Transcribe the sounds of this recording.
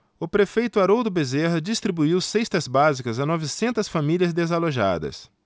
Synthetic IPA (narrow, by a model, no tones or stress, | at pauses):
ʊpɾefejt̪ʊaɾowd̪ʊbezeɦɐd͡ʒist̪ɾibuiwsejst̪ɐzbazikɐzɐnɔvɪsẽnt̪ɐsfamiliɐzd̪ezaloʒa̰d̪ɐ̰s